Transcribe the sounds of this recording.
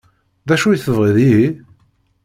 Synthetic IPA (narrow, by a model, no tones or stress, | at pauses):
ðæʃujθəvʁiðiɦi